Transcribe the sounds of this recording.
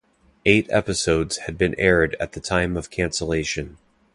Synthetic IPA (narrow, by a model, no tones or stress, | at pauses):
eɪɾɛ̰pɨsoʊdz̥ɨd̚bɨ̃nʔɛɹɾɨ̰t̪̚ðɨtʰãɪ̃mʌv̥kʰæ̃nsəleɪʃɨ̃n